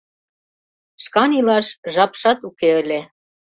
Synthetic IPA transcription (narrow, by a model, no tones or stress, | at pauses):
ʃkɑnilɑʃʒɑpʃɑt̪ukeə̆lʲe